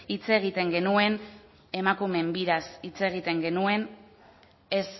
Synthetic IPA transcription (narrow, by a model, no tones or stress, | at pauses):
it͡se̞ɣ̞it̪e̞ŋɡe̞nue̞n | e̞makume̞mbiɾasit͡se̞ɣ̞it̪e̞ŋɡe̞nue̞n | e̞s